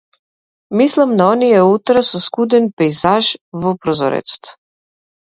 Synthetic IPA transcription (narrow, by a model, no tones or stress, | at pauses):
mislamnaoniɛut̪ɾasuskud̪ɛnpɛjzaʒvɔpɾɔzɔ̰ɾɛ̰t͡ʃt̪